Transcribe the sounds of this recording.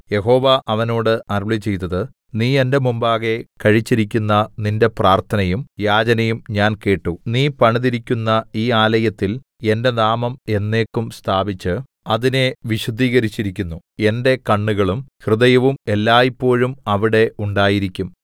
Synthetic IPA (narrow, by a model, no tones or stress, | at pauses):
je̞ɦo̞ːʋɐʔɐʋɐno̞ːɽɨʔɐrɭit͡ɕːe̞jt̪ːɐðɨ | niːe̞nde̞mumbaːɣe̞kɐɻit͡ɕːiɾikʲːunːɐninde̞praːrt̪ʰɐnɐjumjaːd͡ʑɐnɐjumɲaːnke̞ːʈːuniːpɐɳiðiɾikʲːunːɐiːaːlɐjɐt̪ːil | ende̞naːmɐme̞nːe̞ːkːumst̪ʰaːbit͡ɕːɨ | ɐðine̞ʋiɕud̪ʱiːɣɐɾit͡ɕːiɾikʲːunːu | e̞nde̞kɐɳːuɣɐɭumhrɨðɐjɐʋume̞lːaːjipːo̞ːɻumɐʋiɽe̞uɳɖaːjiɾikʲːum